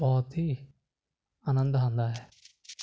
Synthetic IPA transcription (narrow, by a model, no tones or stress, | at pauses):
bɔːt̪ɦiː | ənə̃nd̪ɦãːnd̪aːɦɛː